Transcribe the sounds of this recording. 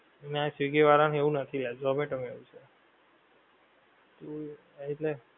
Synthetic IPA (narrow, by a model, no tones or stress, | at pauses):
eneasʋiɡeʋaɾañɦeʋũnət̪ʰilad͡ʒɔmeʈəmeʋũt͡ʃʰe | t̪o | it̪le